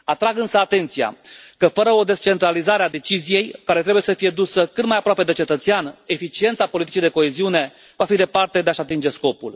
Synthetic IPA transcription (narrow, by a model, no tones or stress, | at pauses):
at̪ɾaɡɨnsəat̪e̞nt̪sija̰kəfəɾəo̞d̪e̞st͡ʃe̞nt̪ɾalizaɾead̪e̞t͡ʃizije̞jkaɾe̞t̪ɾe̞buje̞səfije̞d̪usəkɨt̪d̪majapɾoape̞d̪et͡ʃe̞t̪ət̪seane̞fit͡ʃie̞nt̪sapolit̪i̥t͡ʃijd̪e̞ko̞eziune̞ | vafid̪e̞part̪e̞d̪e̞aʃat̪ind͡ʒe̞sko̞pul